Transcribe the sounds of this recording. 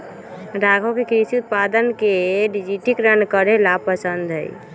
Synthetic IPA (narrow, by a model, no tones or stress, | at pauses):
ɾaɡʱokekɾisiut̪̚pad̪ənkeɖid͡ʒiʈikɾənkəɾelapəsənd̪ʱɦə̰j̰